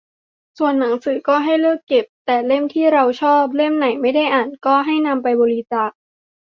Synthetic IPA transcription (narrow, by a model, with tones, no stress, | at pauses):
su˨˩ənːa˩˦ŋsɯː˩˦kɔː˥˩ɦa˥˩jlɯ˥˩kːe˨˩p̚t̪ɛː˨˩le˥˩mt̪ʰiː˥˩ɾa˧wt͡ɕʰɔː˥˩p̬̚le˥˩mna˩˦jma˥˩jda˥˩jʔaː˨˩nkɔː˥˩ɦa˥˩jna˧mpa˧jbɔː˧ɾi˧t͡ɕaː˨˩k̚